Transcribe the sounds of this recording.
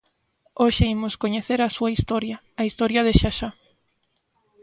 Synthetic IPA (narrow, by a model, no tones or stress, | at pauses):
oʃɪimʊskoɲeθeɾɐsuɐist̪oɾjɐːist̪ɔɾjɐðeʃaʃa